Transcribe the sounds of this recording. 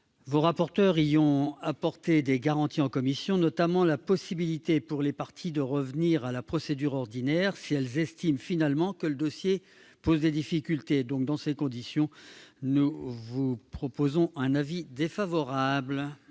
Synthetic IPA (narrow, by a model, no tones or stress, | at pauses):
voʁapɔʁt̪œʁijɔ̃apɔʁt̪ed̪eɡaʁɑ̃t̪iɑ̃kɔmisjɔ̃nɔt̪amɑ̃lapɔsibilit̪epuʁlepaʁt̪ʰid̪əʁəvniʁalapχɔsed̪yʁɔʁd̪inɛʁsiɛlzɛst̪imfinalmɑ̃kələd̪ɔsje | pozd̪ed̪ifikʲylt̪ed̪ɔ̃k̚d̪ɑ̃sekɔ̃d̪isjɔ̃nuvupχɔpozɔ̃ʔɛ̃navid̪efavɔʁabl